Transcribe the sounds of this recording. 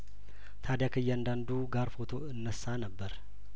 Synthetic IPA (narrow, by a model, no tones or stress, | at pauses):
t̪ʰad̪jakʰɨjːɛand̪and̪uɡaɾfo̞t̪ʰo̞ɨnːəsːanəbːəɾ